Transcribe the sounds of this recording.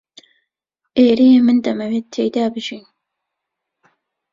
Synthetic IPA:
ʔeːɾejemɨnd̪ɐmɐweːt̪̚t̪ʰeːjd̪aːbɨʒiːn

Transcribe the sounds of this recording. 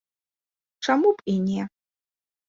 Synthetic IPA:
ʈ͡ʂamupʼinʲe

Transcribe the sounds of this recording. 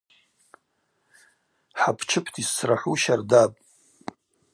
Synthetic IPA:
ħapʰt͡ʃʰɨpʰtʰisːraħʷuʃardapʼ

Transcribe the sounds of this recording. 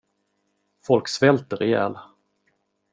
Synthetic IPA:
fɔlksvɛlt̪əɾɛjæ̰ːl

